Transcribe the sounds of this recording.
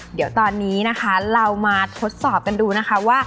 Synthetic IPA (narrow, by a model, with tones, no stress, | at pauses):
di˩˦əwt̪ɔː˧nːiː˦˥na˦˥kʰa˦˥ɾa˧wmaː˧t̪ʰo˦˥t̪̚sɔː˨˩p̚ka˧nduː˧na˦˥kʰa˦˥waː˥˩